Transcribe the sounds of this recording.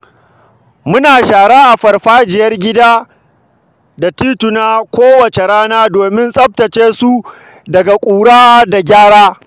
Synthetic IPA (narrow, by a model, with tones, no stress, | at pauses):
mʊ˦naː˨ʃaː˨ɽaː˦ʔa˨ɸɐ˨rɸaː˦d͡ʒɪ˨jɐ˦rɡʲɪ˦daː˦ | da˨tiː˦tʊ˨naː˦kʷoː˦wɐ˨t͡ʃe˨ɾaː˦naː˦doː˨mɪ˦nsʼɐ˦b̚tɐ˨t͡ʃeː˦su˦ | dɐ˨ɡa˨kʷʼuː˨ɽaː˦da˨ɡʲaː˦ɽaː˦